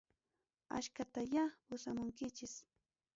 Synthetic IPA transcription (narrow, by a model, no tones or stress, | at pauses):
a̰ʃkat̪ajapʊsamʊŋkɪt͡ʃɪs